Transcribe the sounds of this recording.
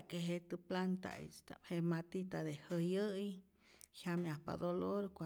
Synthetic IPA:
keɦet̪ɨplant̪a̰ḭst̪a̰phemat̪it̪ad̪ehəjɨj | hjamjahpa̰d̪oloɾkʷa

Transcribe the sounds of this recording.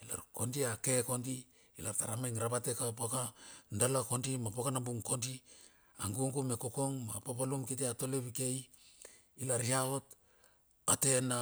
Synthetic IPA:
ila̰ɾko̞ndiake̞ko̞ndi | ilaɾtaɾamajŋɾabate̞kapakandalako̞ndimapokanambuŋko̞ndi | aŋɡuŋɡume̞ko̞ko̞ŋmapapalumkit̬eato̞le̞βike̞j | ilaɾihao̞t | ate̞na

